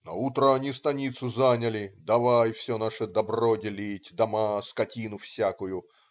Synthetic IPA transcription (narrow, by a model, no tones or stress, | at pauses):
nɐ̰ut̪ɾəɐnʲist̪ɐnʲit̪sʊzanʲəlʲɪd̪ɐvajfsʲonaʂəd̪ɐbrodʲɪlʲitʲd̪ɐmaskɐtʲinʊfsʲakʊjʊ